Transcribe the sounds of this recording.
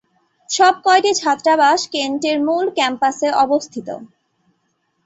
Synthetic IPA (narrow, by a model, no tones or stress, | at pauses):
ʃɔb̚kɔeʈid͡ʑʱat̪ːɾabaʃkenʈeɾmulkɛmpaseʔɔbost̪ʰit̪o̰